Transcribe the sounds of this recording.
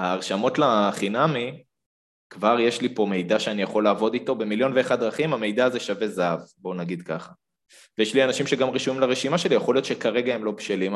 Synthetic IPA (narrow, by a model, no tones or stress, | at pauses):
aːʁʃamo̞tlaχinami | kvaʁje̞ʃlipo̞me̞jdaʃeanijaχo̞lːaːvo̞dito̞be̞miljo̞nveːχadʁaχimame̞jd̪aːze̞ʃave̞zaavbo̞naɡid̪kaχa | vejeʃlianaʃimʃe̞ɡamʁeʃuimlaʁeʃimaʃe̞lijaχo̞lijotʃekaʁe̞ɡahemlo̞bʃelim